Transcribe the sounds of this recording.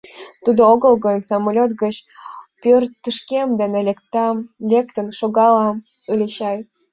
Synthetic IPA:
t̪ud̪ooɣəlɡənsɑmolʲot̪ɡət͡ɕpʲørt̪ːəʃkemd̪enelʲekt̪ɑmlʲekt̪ə̆nʃoɣɑlɑm | ɯlʲeɕɑj

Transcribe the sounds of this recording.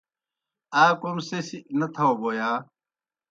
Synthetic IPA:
aːkomsesinɐt̪ʰɐoboːjaː

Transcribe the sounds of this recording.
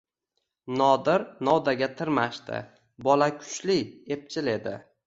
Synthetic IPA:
nɒd̪ɪɾnɒwd̪aɡʲat̪ʰɪɾmaʃt̪ɪ̰ | bɒlakʲʰʊ̥t͡ʃliep̚t͡ʃʰɪle̞d̪ɪ̰

